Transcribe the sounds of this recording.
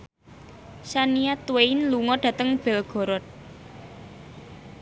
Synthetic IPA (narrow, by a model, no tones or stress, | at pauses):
saniat̪weinluŋɔɖ̥ä̤t̪əŋb̥ɛlɡ̥ɔ̤ɾɔt̪̚